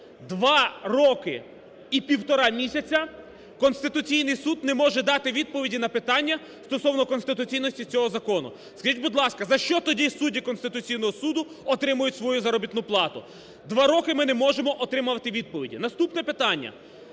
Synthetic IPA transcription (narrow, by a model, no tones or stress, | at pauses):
d̪ʋɑrɔkɪ | ipʲiwt̪ɔɾɑmʲisʲɐt͡sʲɐ | kɔnst̪ɪt̪ʊt͡sʲijnɪjsud̪nɛmɔʒɛd̪ɑt̪ɪʋʲid̪̚pɔʋʲidʲinɐpɪt̪ɑnʲːɐ | st̪ɔsɔwnɔkɔnst̪ɪt̪ʊt͡sʲijnɔsʲtʲit͡sʲɔɦɔzɐkɔnʊ̰ | skɐʒitʲbʊd̪lˠɑskɐzɐʃt͡ʃɔt̪ɔdʲisudʲikɔnst̪ɪt̪ʊt͡sʲijnɔɦɔsud̪ʊ | ɔt̪ɾɪmʊjʊtʲsʋɔjuzɐɾɔbʲit̪nʊplˠɑt̪ʊ | d̪ʋɑɾɔkɪmɪnɛmɔʒemɔʔɔt̪ɾɪmʊʋɐt̪ɪʋʲid̪̚pɔʋʲidʲḭnɐst̪upnɛpɪt̪ɑnʲːɐ̰